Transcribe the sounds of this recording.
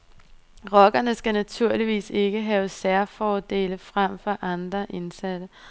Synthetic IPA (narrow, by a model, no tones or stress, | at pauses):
ʁɒ̽ɡ̥ɐnəsɡ̥ænæt͡sʰuɐ̰liʋḭːse̝ɡ̥əɦɛʊsæɐfɒːd̥e̝̰ːləfʁam̰fɒʔɑ̈nd̥ʁɐʔe̝nsæd̥ə